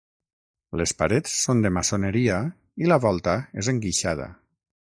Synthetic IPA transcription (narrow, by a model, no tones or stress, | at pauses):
lespaɾet͡sːond̪emasoneɾia | ilaβɔlˠt̪aezeŋɡiʃað̞a̰